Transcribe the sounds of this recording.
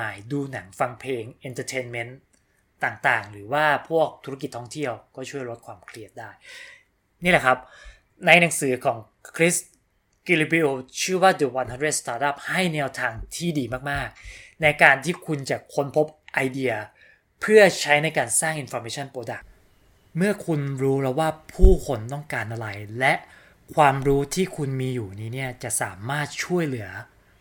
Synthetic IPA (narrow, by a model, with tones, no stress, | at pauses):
aː˧˩jduː˧na˩˦ŋfa˧ŋpʰleː˧ŋʔe˧nt̪ʰə˧t̪ʰeː˧nme˦˥n | t̪aː˨˩ŋt̪aː˨˩ŋɾɯː˩˦waː˥˩pʰu˥˩ək̚t̪ʰu˦˥ɾa˥ki˨˩t̪ʰːɔ˥˩ŋt̪ʰi˥˩əwkɔː˥˩t͡ɕʰu˥˩əjɾo˦˥t̪̚kʰwaː˧mkʰli˥˩ət̪̚daː˥˩j | niː˥˩lɛ˨˩kʰa˦˥p̚ | na˧jna˩˦ŋsɯː˩˦kʰɔː˩˦ŋ | kʰɾi˦˥s | ki˧li˧bi˧˥ʔoː˧t͡ɕʰɯː˥˩waː˥˩d̪ə˨˧wa˧nha˧˦ndɾe˥˩st̪aː˧˥t̪̚ʔa˦˥p̚ha˥˩jnɛː˧˥wt̪ʰaː˧ŋt̪ʰiː˥˩diː˧maː˥˩k̚maː˥˩k̚na˧jkaː˧nt̪ʰiː˥˩kʰu˧nt͡ɕa˨˩kʰo˧npʰo˦˥p̚ʔa˧jdi˧ɐ | pʰɯ˥˩ɐt͡ɕʰa˦˥jna˧jkaː˧nsaː˥˩ŋʔi˨˧nfɔː˧meː˧˦t͡ɕʰa˥˩npɾoː˧da˨˩k̚ | mɯ˥˩ɐkʰu˧nɾuː˦˥ɾɛː˦˥wːaː˥˩pʰuː˥˩kʰo˧nt̪ɔ˥˩ŋkaː˧nʔa˧ɾa˧jlɛ˦˥ʔ | kʰwaː˧mɾuː˦˥t̪ʰiː˥˩kʰu˧nmiː˧juː˨˩niː˦˥ni˥˩ɐt͡ɕa˨˩ʔsa̰ː˩˦maː˥˩t̪̚t͡ɕʰu˥˩əjlɯ˩˦ɐ